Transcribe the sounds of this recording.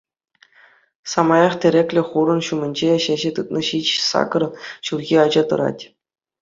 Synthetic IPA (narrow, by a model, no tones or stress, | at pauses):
sɑmɑjɑχtʲɘ̆ɾʲekʲlʲɘ̆χuɾɤ̆nɕumʲɘ̆nʲd͡ʑeɕæʑet̪ɯt̪nɤ̆ɕit͡ɕsɑ̰kɤ̆rɕulɣʲiɑd͡ʑɑt̪ɤ̆ɾɑ̰tʲ